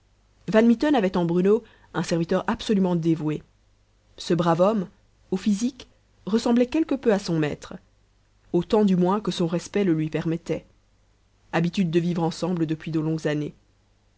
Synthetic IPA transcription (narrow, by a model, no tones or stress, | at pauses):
vanmit̪ɔnavɛt̪ɑ̃bʁyno | ɛ̃sɛʁvit̪œʁapsɔlymɑ̃d̪evwe | səbʁavɔm | ofizik | ʁəsɑ̃blɛkʲɛlkəpøasɔ̃mɛ̰t̪χ | ot̪ɑ̃d̪ymwɛ̃kəsɔ̃ʁɛspɛləlɥipɛʁmɛt̪ɛ | abit̪yd̪̚ːəvivʁɑ̃sɑ̃bləd̪əpɥid̪olɔ̃ɡzane